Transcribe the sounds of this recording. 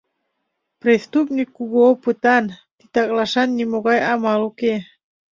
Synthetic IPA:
pɾest̪up̚nikːuɣoopɨt̪ɑnt̪it̪ɑklɑʃɑnːimoɣɑjɑmɑluke

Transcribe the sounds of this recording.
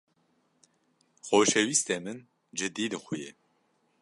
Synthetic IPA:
xoːʃɛwist̪eːmɨn | d͡ʒɨd̪iːd̪ɨxʊje

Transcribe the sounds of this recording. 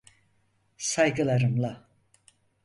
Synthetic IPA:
sajɡɯlˠaɾɯmlˠa

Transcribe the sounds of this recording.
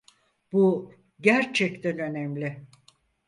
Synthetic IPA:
bu | ɟæɾt͡ʃʰɛct̪ʰænø̞nɛmlʲɪ

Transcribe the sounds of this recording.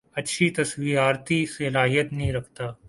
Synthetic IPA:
ɐtːʃʰit̪ɐsʋiːɾaːɾt̪isɐlaːɦijət̪nɐɦĩɾɐkʰt̪aː

